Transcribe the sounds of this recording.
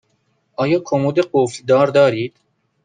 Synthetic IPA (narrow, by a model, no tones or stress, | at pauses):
ʔɒːjɒːkʰomud̪eɢofd̪ɒːɾd̪ɒːɾiːd̪̥